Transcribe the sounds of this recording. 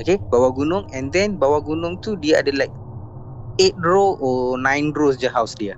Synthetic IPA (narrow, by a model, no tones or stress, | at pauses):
okebawaɡunʊ̃ŋɛ̃ndɛ̃nbawaɡunʊ̃ŋt̪udiaa̰dalajk̚ | et̪̚dɾoʔɔnãjndɾosd͡ʒaɦawsdiə